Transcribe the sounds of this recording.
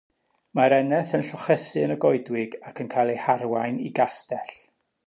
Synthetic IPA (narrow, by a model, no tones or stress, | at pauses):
maɾɛnɛθənɬɔχɛsɨənəɡɔɨdwɪɡakʰənkʰajlˠejharwajnḭɡastɛɬ